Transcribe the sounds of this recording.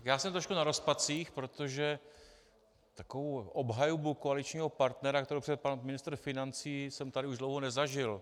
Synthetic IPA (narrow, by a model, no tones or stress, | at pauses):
kjaːsɛmt̪ɾoʃkunaɾo̞spat͡siːxpɾo̞t̪o̞ʒɛ | t̪akovowʔobɦajubukoalɪt͡ʃɲiːɦo̞paɾt̪nɛɾakt̪ɛɾowpr̥ɛpanmɪnɪst̪ɾ̩fɪnant͡siːsɛmt̪adɪuʒdlo̞wɦonɛzaʒɪl